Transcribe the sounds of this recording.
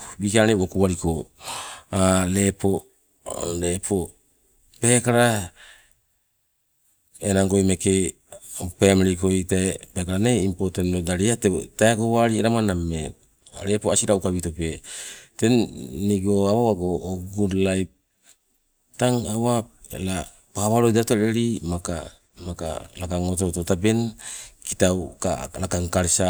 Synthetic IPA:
bikaneokuwaɾiko | ale̞po̞ | lepʰo | pe̞kaɾa | enaŋɡo̞jmeke | pemɾikojtepekaɾaneimpotenodaɾiatetaekowaɾieɾamaname | aɾepoasiɾauwkaβitope̞te̞nːiɡoaβawaɡoːɡudlajp̚ | taŋawap̚ḛla | paβaɾojdatoɾeɾimaka | maka̰lakaŋotototabe̞nki̥tawkalakaŋkaɾsa

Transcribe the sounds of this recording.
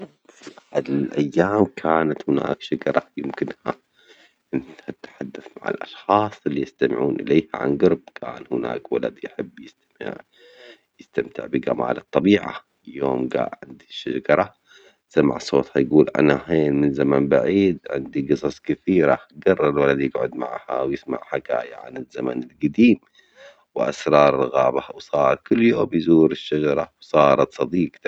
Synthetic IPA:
fiʔaħad̪lʔajːaːmkʰaːnat̪hɪna̰ːkʃaɡɑɾˤɑjɪmkɪnha | nɪt̪hat̪ħad̪ːaθmaʕa̰lʔɑʃxɑːsˤɪlːijɪst̪amɪʕuːnʔɪ̰leːha̰ʕa̰nɡɑɾb̚kʰa̰ːnhɪna̰ːkwala̰d̪jħɪbːjɪst̪m̰ʕ | jɪst̪amt̪ɪ̰ʕbiɡa̰ma̰ːlɨt̪ˤːɑbiːʕa̰ | ɪljoːmɡa̰ːʔʕɪnd̪iʃaɡɑɾˤɑ | samːa̰ʕsˤoːt̪ˤhajɡuːlʔa̰naheːnmɪnzamanbaʕiːd̪ʕɪ̰nd̪iɡɨsˤɑsˤkɪθiːɾa̰ɡɑrˤːɑɪlwalad̪jɪɡʕʊd̪ma̰ʕha̰wjɪsma̰ʕħaka̰ːjaʕa̰nɪzːama̰nɪlɡad̪iːm | wʔa̰sɾˤɑːɾˤɣaːbawsˤɑːɾˤkʊlːjoːmjzuːɾɪʃːad͡ʒɑɾˤɑwsˤɑːɾˤɑt̪sˤɑd̪iːq̪

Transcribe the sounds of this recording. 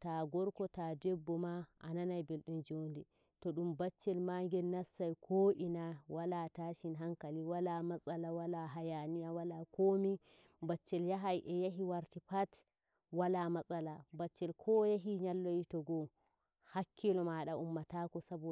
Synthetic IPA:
taɡɔɾkɔtadɛbːɔmaʔa̰nanajbelɗumd͡ʒondɛ | tɔɗumbat͡ʃːɛlmaŋɡɛlnasːajkʰoʔinawalataʃinɦaŋkaliwalamasʼalawalaɦajanijawalakomi | bat͡ʃːɛljaɦajʔɛjaɦiwaɾtipat | walamasʼalabat͡ʃːɛlkʰɔjaɦiɲalːojitɔɡɔ | hakʰːilɔmaɗaʔumːatakɔsabɔ

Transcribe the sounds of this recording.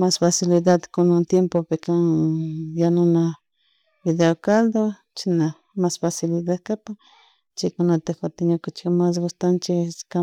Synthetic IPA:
masfasilid̪ad̪konant̪jempopekaŋjanʊna | biðeokald̪o | t͡ʃina | masfasilid̪ad̪kapa | t͡ʃekonat̪exat̪ɪɲokʊt͡ʃɪ̥kmas̬ɡʊst̪ant͡ʃeka

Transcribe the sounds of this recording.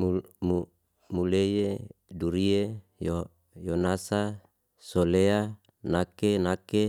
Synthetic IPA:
mumu | mulejeduɾie | jo | jonasa | solea | nakenake

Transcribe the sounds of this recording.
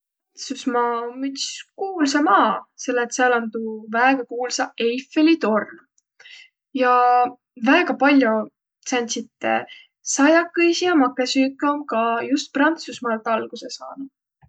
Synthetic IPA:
t̪susmɑːomːyt̪ʲi̥skuːlsɑmɑːse̞lːet̪seɑlɑnt̪uvæeɡ̥ɑkuːlsɑejfːelit̪o̞rn | jɑ | væːeɡ̥ɑpɑlʲjo | sænʲt̪sit̪ːḛ | sɑjɑkːɤjsijɑmɑkːˑesyːkːˑomkɑjust̪̚prɑnt̪susmɑːlt̪ːˑɑlɡ̥usesɑ̰ːnu̥

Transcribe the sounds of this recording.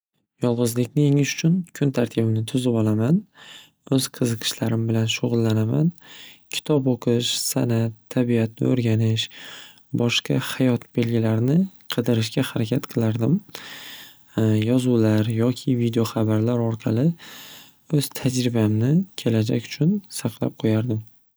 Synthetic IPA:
jɒlˠʁɨzlɪkʲnɪjeŋɪʃʊ̥t͡ʃʰʊnkʰʊnt̪ʰaɾt̪ʰɪbɪnɪt̪ʰʊzɪpɒlˠaman | ɵz̥qʰɨzɨqʰɨ̥ʃlaɾɪmbɪlanʃʊʁʊlˠːanamankʲʰɪ̥t̪ʰɒpoqʰɨʃsanat̪ʰːabiat̪̚nɪ̰oɾɡʲanɪʃ | bɒʃqɑ̰hajɒt̪be̞lɡʲɪlaɾnɪqʰɨd̪ɪɾɪʃɡʲahaɾakʲʰat̪qʰɨlˠaɾd̪ɪm | jɒzulaɾjɒkʲʰɪvid̪eoχɑbaɾlaɾɒɾqʰɑlˠɪ | ɵz̥t̪ʰad͡ʒɾɪbamnɪkʲʰe̞lad͡ʒa̰kʲʊ̥t͡ʃʰʊnsɑqʰlˠa̰p̚qʰojaɾd̪ɪm

